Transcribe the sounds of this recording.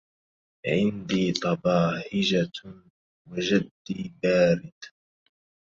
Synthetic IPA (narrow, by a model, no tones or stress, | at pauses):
ʕɪnd̪iːt̪ˤɑbɑːħɪd͡ʒa | wad͡ʒad̪ːiːbaːɾɪd̪̥